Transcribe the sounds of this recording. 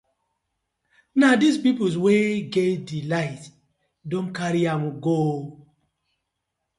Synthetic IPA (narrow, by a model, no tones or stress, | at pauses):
nadispipus̬weɡedilaɪt | dõnkaɾiãmɡo